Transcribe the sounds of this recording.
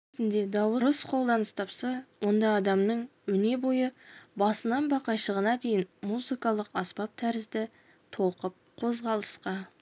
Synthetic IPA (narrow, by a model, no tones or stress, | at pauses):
t̪ɪnd̪e̞d̪ɑwəɾəsqʰo̞lˠd̪ɑnəst̪ʰɑpsɑwo̞nd̪ɑːd̪ɑmnəɴwɵne̞bo̞jəbɑsənɑnbɑqɑjʃəʁənɑd̪e̞jɪnmuzikɑlˠəqɑspɑp̚t̪ʰæɾɪzd̪ɪ | t̪ʰo̞lˠqəp̚qʰo̞zʁɑlˠəsqɑ